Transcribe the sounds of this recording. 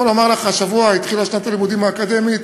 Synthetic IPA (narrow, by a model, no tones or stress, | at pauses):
olomaʁleχaʃavuait̪χilaʃnat̪alimud̪imaːkad̪emit̪